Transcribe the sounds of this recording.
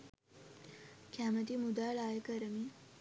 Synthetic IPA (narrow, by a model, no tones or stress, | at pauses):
kʰamət̪imud̪aɭajəkəɾəmi